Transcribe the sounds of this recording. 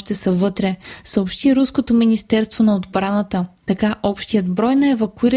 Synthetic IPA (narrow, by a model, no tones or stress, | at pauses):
ʃt̪ɛsəvɤt̪ɾɛsəopʃt̪iɾuskot̪ominist̪ɛɾst̪vonɐod̪bɾanət̪ət̪ɐkaʔɔpʃt̪ijəd̪bɾɔjnɐɛvɐkuiɾ